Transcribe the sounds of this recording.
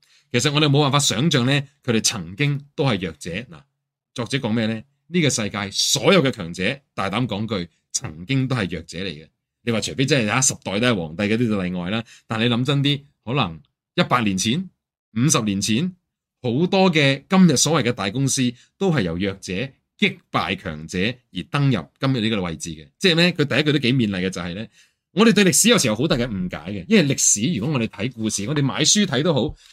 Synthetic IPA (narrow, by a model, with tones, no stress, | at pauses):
kʰe˨˩s̬ɐt̚ŋɔ˨˧ɾe˨mo˨˧waː˨nfaː˧t̚sœː˨˥ŋt͡ʃœː˨ŋlɛː˥kʰɵ˨˧ɾe˨˩jt͡sʰɐ˨˩ŋkɪ˥ŋt̪o˥whɐ˨˩jːœː˨k̚t͡sɛː˨˥na̰ː˨˩ | t͡sɔː˨k̚t͡sɛ˨˥kɔː˨˥ŋmɛː˥˧lɛː˥ | niː˥kɔ˧sɐ˧jkaː˧jsɔː˨˥jɐ˨wkɛː˧kʰœː˨˩ŋt͡sɛː˨˥t̪aː˨jt̪aː˨˥mkɔː˨˥ŋkɵ˧ɥ | t͡sʰɐ˨˩ŋkɪ˥ŋt̪o˥whɐ˨˩jœː˨˩k̚t͡sɛː˨˥le˨˩jkɐ˧ | le˨˧waː˨t͡ʃʰɵ˨˩fe˥jt͡sɐ˥nɦɐ˨jhaː˨˦˥sɐ˨p̚t̪ɔː˨jt̪ɐ˥˨wɔ̰ː˨˩ŋt̪ɐ˧jkɔ˧t̪iː˥t͡sɐ˨˧t̪ɐ˨jŋɔː˨jlaː˥t̪aː˨nle˨˧jlɐ˨˧˥mt͡sɐ˥nt̪̬iː˥ | hɔː˨˥lɐ̰˨˩ŋ | jɐ˥t̚paː˧k̚liː˨˩nt͡sʰiː˨˥n | m̩˨˧sɐ˨p̚liː˨˩nt͡sʰiː˨˥n | ho˨˥wt̪ɔː˥k̬ɛː˧kɐ˥mjɐ˨t̚sɔː˨˥wɐ˨jkɛ˧t̪aː˨˩jkʊ˥ŋsiː˥ | t̪o˥wɦɐ˨jɐ̰˨˩wjœː˨k̚t͡sɛː˨˥ | kɪ˥k̚pa̰ː˨jkʰœ̰ː˨˩ŋt͡sɛː˨˥jiː˨˩t̪ɐ˥ŋjɐ̰˨p̚kɐ˥mjɐ˨t̚li˥kɔ˧wɐ˨jt͡siː˨kɛ˧t͡sɛː˥˨mɛː˥kʰɵ˨˧t̪ɐ˨jɐ˥kʰːt̪o˥wke˨˧˥jmiː˧nlɐ˨jkɛ˧t͡sɐ˨whɐ˨jlɛː˥ | ŋɔː˨˧ɾe˨jt̪ɵ˧ɥlɪ˨k̚si˨˥jɐ˧wsiː˨˩hwho˨˥wt̪aː˨kːɛ˨˩m̩˨˩ka̰ː˨˥jkɛ˧jɐ˥nhɐ˨˩lɪ˨k̚siː˨˥jy˨kɔ˨˦ŋɔ˨˧d̪e˨˩t̪ʰɐ˨˥jkuː˧siː˨˩ŋɔ˨˧t̪e˨jma̰ː˨˧jsyː˥t̪ʰɐ˨˥jt̪o˥wɦo˨˥w